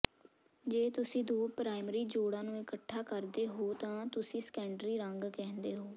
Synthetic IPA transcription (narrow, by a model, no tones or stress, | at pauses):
d͡ʒeːt̪ʊsĩːd̪oːpɾaːɪmɾiːd͡ʒoːɽãːnũːɪkəʈʰːaːkəɾd̪eːɦoːt̪ãːt̪ʊsĩːsə̥kɛ̃ːɳɖɾiːɾəŋɡkɛ̃ːnd̪eːɦoː